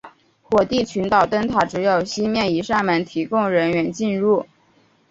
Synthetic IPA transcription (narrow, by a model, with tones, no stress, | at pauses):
xwɔ˨˩t̪i˥˩t͡ɕʰy˧˥nt̪ɑ˨˩ʊt̪ə˥ŋt̪ʰa˨˩ʈ͡ʂɻ̩˧˥jo˨˩ʊɕi˥mjɛ˥˩ni˧˥ʂa˥˩mə˧˩nt̪ʰi˧˥kʊ˥ŋɻə˧˥nɥɛ˧˥nt͡ɕi˥˧nɻu˥˩